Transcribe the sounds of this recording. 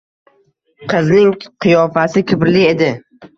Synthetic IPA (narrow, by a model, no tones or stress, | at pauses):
qʰɨznɪŋqʰɨjɒfasɪkʲʰʊpɾɪlɪe̞d̪ɪ